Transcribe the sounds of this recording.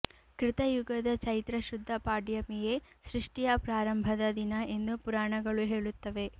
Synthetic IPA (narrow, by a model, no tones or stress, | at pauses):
kɾɪt̪ɐjuɡɐd̪ɐt͡ʃɐjt̪ɾɐʃud̪ʱːɐpaːɖjɐmijesɾiʂʈijɐpɾaːɾɐmbʱɐd̪ɐd̪inɐe̞nd̪upuɾaːɳɐɡɐɭuɦe̞ːɭut̪ːɐʋe̞